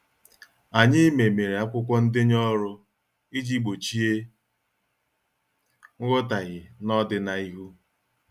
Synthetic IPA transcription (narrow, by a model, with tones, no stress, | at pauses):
a˨ɲɪ˦me˨me˨ɾe˨a˦kʷʊ˦kʷɔ˦n̩˦dɪ˦ɲɔ˦ɾʊ˦ | i˦d͡ʒi˦ɡ͡bo˨t͡ʃi˦e˦ | ŋ̩˦ɡɔ˦ta˨ɣɪ˨nɔ˦dɪ˦na˨i˦ɦu˦